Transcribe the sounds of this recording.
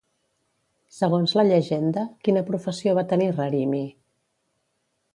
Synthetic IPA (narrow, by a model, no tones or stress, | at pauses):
səɣ̞onzləʎəʒend̪əkinəpɾufəsioβ̞at̪ənirəɾimi